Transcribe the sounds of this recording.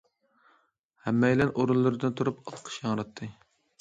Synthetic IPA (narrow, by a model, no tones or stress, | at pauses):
hɛmːɛjlɛnʔoɾunlːˠɨɾɨd̪ɨnt̪ʰuɾupɑlˠqʰə̥ʃjɑŋɾɑt̪ʰːɨ